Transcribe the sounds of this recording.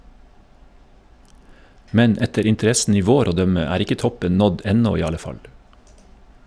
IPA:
ˈmɛn ˈɛtəɾ ɪntəˈɾɛsn̩ ˈiː ˈʋoːɾ ˈoː ˈdœmə ˈæːɾ ˈɪkə ˈtɔpən ˈnɔd ˈɛnɔ ˈiː ˈɑlə ˈfɑl

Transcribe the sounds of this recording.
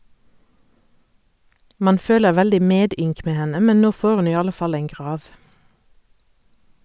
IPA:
ˈmɑn ˈføːləʁ ˈʋɛldɪ ˈmeːˌdʏŋk ˈmeː ˈhɛnə ˈmɛn ˈnoː ˈfoːʁ ˈʉn ˈiː ˈɑlə ˈfɑl ˈeːŋ ˈɡʁɑːʋ

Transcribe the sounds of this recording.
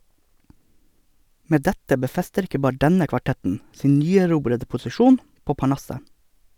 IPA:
ˈmeː ˈdɛtə bəˈfɛstəɾ ˈɪkə ˈbɑːɾə ˈdɛnə kʋɑˈʈɛtn̩ ˈsiːn ˈnyːæˌɾuːbɾədə pʊsɪˈʃuːn ˈpoː pɑˈɳɑsə

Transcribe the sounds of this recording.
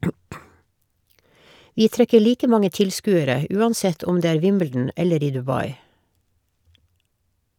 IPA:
ˈʋiː ˈtɾɛkə ˈɭiːkə ˈmɑŋə ˈtɪlˌskʉːəɾə ə ˈʔʉːɑnˌsɛt ˈɔm ˈdeː ˈæːɹ ˈʋɪmbl̩dn̩ ˈɛləɾ ˈiː dʉˈbɑɪ

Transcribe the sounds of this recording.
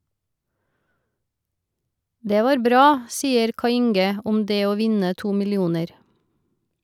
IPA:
ˈdeː ˈʋɑːɾ ˈbɾɑː ˈsiːəɾ ˈkɑɪ ˈɪŋɡə ˈʊm ˈdeː ˈoː ˈʋɪnə ˈtuː mɪlɪˈuːnəɾ

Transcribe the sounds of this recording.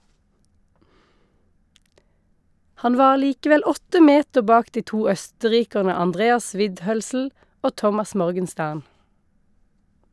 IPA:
ˈhɑn ˈʋɑːʁ ˈliːkəʋɛl ˈɔtə ˈmeːtə ˈbɑːk ˈdiː ˈtuː ˈœstəˌʁiːkəʁnə ɑnˈdʁeːɑs ˈʋɪdˌhœlsl̩ ˈoː ˈtɔmɑs ˈmɔʁɡənˌstæʁn

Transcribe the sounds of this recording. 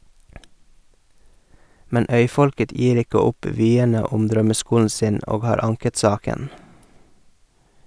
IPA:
ˈmɛn ˈœʏˌfɔlkət ˈjiːɾ ˈɪkə ˈʊp ˈʋyːənə ˈʊm ˈdɾœməˌskuːln̩ ˈsɪn ˈoːɡ ˈhɑːɾ ˈɑŋkət ˈsɑːkən

